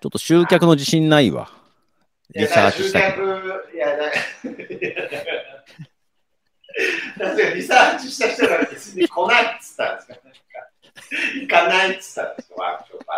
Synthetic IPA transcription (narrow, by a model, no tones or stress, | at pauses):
t͡ɕo̞t̪ːo̞ɕɨːkʲakɯ̟no̞d͡ʑiɕĩnːaiβa̰ | ɾʲisa̰ːt͡ɕii̥kt̪aakɯjana | anaɡ̪a | t̪asɨkaɾʲisaːt͡ɕiɕi̥t̪açi̥t̪oɡaɾabet͡sɨɲʲːikʰo̞nait̪ːɨ̥t̪ːãnd̪eskanãŋka | ikanait̪ɨ̥t̪ːãnd̪eskoβa̰t͡ɕot̪ːoa